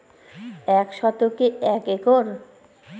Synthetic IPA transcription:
ɛkʃɔt̪okeɛkekoɾ

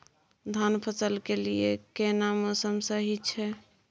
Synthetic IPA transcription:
d̪ʱanpʰəsəlkeliḛkenamosəmsəɦit͡ʃʰɛ

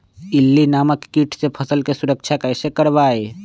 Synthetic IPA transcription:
ɪlːinaːməkːiːʈʰsepʰəsəlkesʊɾək̚t͡ʃʰakɛːsekəɾʋaːe

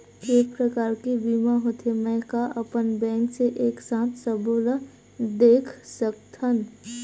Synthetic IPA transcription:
kepɾəkaːɾkibimaɦot̪ʰemɛ̃kaʔəpənbɛ̃ŋkseʔeːksãːt̪ʰsəbol | d̪eːkʰsək̚t̪ʰən

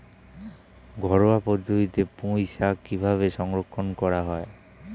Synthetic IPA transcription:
ɡʱɔɾɔwapɔd̪ʱuit̪epũisakibʱaβesɔŋɾɔkʰːɔnkɔɾaɦɔe

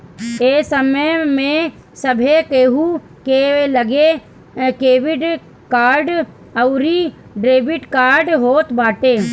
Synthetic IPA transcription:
eːsəməmẽ | səbʱekeːɦu | keːeləɡe | keːʋɪɖ | kaːɾɖ | əʊɾi | ɖɾeːbɪʈkaːɾɖɦoːt̪baːʈeː

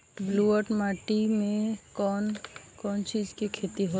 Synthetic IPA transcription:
bluːəɾʈmaːʈimẽkɔːnkɔːnt͡ʃiːzkikʰeːt̪iɦo

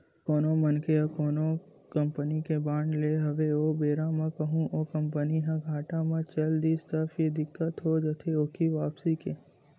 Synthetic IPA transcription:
koːnomənkeɐkoːno | kəmpənikebãːɳɖleːɦɐʋeɦobeːɾãmãkəɦũʔoːkəmpəniɦãɡʱaːʈãmãt͡ʃɐld̪iːst̪əɾfʰjed̪ɪkːət̪ɦod͡ʒət̪ʰeoːkʰiʋaːpsikeː

